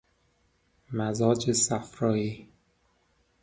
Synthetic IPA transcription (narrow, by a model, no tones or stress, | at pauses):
mæzɒːd͡ʒesæfɾɒːjiː